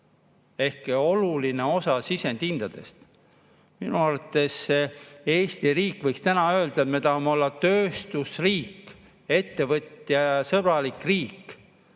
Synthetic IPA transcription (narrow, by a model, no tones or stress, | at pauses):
e̞hkeo̞luline̞o̞sɑsise̞nt̪ind̪̥ɑd̪̥e̞̰st̪ | minuɑɾɑt̪ːˑe̞sːeeːst̪iriːkːˑvɤjkst̪ænɑø̞ːld̪̥ɑet̪me̞t̪ɑhmeo̞lːɑt̪øːst̪usriːkː | e̞t̪ːe̞vɤt̪ːˑjɑjsɤb̥rɑlikriːkː